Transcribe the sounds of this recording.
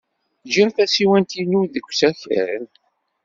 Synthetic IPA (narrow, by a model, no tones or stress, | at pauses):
ʒiɾθæsiwænt̪inuðəɡʷːsæçə̰ɾə̰n